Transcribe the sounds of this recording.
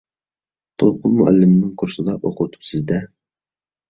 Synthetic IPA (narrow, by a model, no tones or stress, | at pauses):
t̪ʰolˠqʰʊnmʊʔæ̰lːɪmɪnɪŋkʰʊɾsɨd̪ɑʔoqʰʊt̪ʰu̥psɪzd̪ɛ